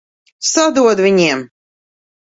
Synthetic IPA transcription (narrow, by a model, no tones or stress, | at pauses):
sad̪uɔd̪vʲinʲiɛm